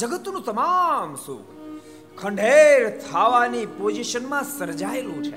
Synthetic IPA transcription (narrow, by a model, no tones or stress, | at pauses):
d͡ʒəɡət̪ːnũt̪əmamsṵkʰ | kʰə̃ɳɖʱeɾt̪ʰaʋanipod͡ʒiʃənmãsəɾd͡ʒaelũt͡ʃʰe